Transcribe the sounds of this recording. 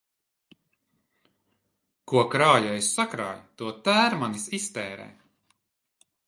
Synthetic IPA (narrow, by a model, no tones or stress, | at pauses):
kuɔkɾaːjaessakɾa̰ːjt̪uɔt̪æːɾmanisist̪ɛːɾɛ̰ː